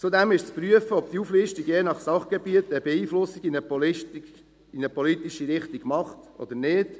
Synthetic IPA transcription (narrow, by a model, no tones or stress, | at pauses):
t͡sud̪ɛmɪʃt͡spɾyəfəɔp̚t̪iuflɪʃtiɡjeːnɑχsɑχɡ̥ebiət̪əbeiːflʊsiɡinət | inəpʰɔlit̪iʃiɾɪχt̪iɡ̥mɑχt̪ɔ̰d̪əɾnɪːd̥